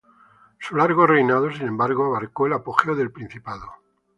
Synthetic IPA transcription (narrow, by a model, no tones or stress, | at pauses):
sulaɾɣore̞jnað̞osinẽ̞mbaɾɣoaβaɾkoelapoxeoðe̞lpɾin̟θipaðo